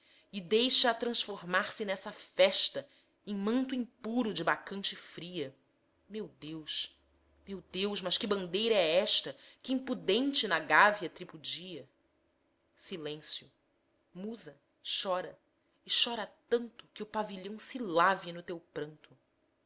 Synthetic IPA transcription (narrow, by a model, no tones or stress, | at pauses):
ɪd̪ejʃɐːt̪ɾɐ̃ʃfoɾmaɾsɪnɛsɐfɛʃt̪ɐ | ẽj̃mɐ̃nt̪ʊĩŋpuɾʊd͡ʒɪbakɐ̃nt͡ʃɪfɾiɐ | mewd̪ewʃ | mewd̪ewʃmɐʃkɪbɐ̃nd̪ejɾɐɛɛʃt̪ɐkɪĩpud̪ẽnt͡ʃɪnɐɡavjɐt̪ɾipud͡ʒiɐ | silẽsjʊ | muzɐ | ʃɔɾɐ | ɪʃɔɾɐt̪ɐ̃nt̪ʊkɪʊpaviʎɐ̃w̃silavjinʊt̪ewpɾɐ̃nt̪ʊ